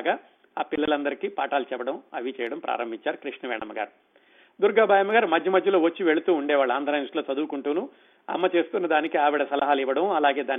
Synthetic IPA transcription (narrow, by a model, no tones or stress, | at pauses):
ɡaː | aːpilːɐlɐnd̪ɐɾikiːpa̰ːʈaːlt͡ʃɛbɐɽɐmɐʋit͡ʃɛːjɐɽɐmpɾʔa̰ːɾɐmbʱiɲt͡ʃaːɾukɾiʂɳɐʋɛ̰ːɳɐmːɐɡa̰ːɾu | d̪uɾɡaːbʱaːjɐmːɐɡaːɾumɐd̪jɐmɐd̪jɐlo̞ːʋɐt͡ʃːiʋe̞ɭut̪uːɳɖɛːʋaːɭːuaːnd̪ʱɾaːjnuʂʈlo̞ːt͡ʃɐd̪uːkuɳʈuːnu | ɐ̰mːɐt͡ʃe̞ːst̪unːɐd̪aːnikiaːʋiɽɐsɐlɐɦaːliʋɐɽɐmɐlaːɡe̞ːd̪aːn